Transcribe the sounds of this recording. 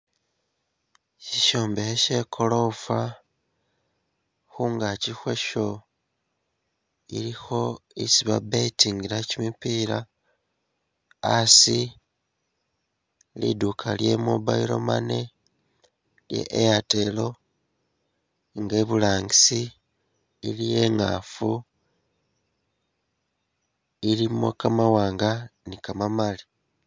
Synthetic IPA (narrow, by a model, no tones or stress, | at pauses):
ʃiʃo̞ːmbeheʃe̞kʰo̞lo̞fa | xuːŋɡacixwe̞ʃo̞ | ḭɾixo̞isiβabetiŋɡiɾacimipiːɾa | si | lḭdukʰalje̞muba̰iɾo̞̰mane | ljḛʔːjate̞lo̞ | ŋɡe̞βulaːŋɡisiː | lije̞ŋa̰fu | ilimokamawaːŋɡanikamamali